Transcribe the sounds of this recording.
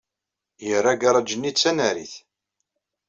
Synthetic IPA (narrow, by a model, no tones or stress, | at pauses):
jərːaɡaɾˤɑd͡ʒənːit͡sːænæɾḭθ